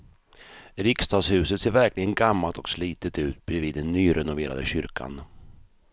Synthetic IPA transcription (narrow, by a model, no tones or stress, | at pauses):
ɾɪkst̪ʰɑːshʉ̟ːsət̪seːɾvæɾklɪɡənɡamːalt̪ɔksliːt̪ət̪ʉ̟ːt̪̚bɾɛviːd̪ɛnːyːɾʔɛnʊveːɾa̰d̪ə̰ɕʏɾkʰa̰n